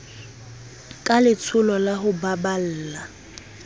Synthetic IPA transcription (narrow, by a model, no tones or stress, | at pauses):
kʼalɪt͡sʰʊlɔlaɦʊbabal̩ːla